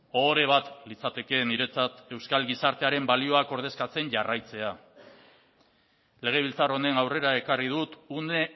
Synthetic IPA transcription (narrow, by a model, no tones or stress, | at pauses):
o̞ɾe̞β̞at̪lit͡sat̪e̞ke̞niɾe̞t͡sat̪e̞wskalɡisaɾt̪eaɾe̞mbalio̞ako̞ɾð̞e̞skat͡se̞ɲʝarajt͡se̞a | le̞ɣ̞e̞βilt͡saro̞ne̞nawre̞ɾae̞karið̞ut̪une